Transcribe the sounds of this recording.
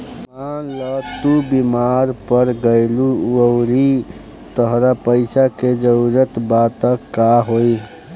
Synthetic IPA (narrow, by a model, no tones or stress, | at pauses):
mãlət̪ubimaɾpəɾɡəɪluəʊɾi | t̪əɦɾapəɪsaked͡ʒəɾət̪bat̪əkːaɦoi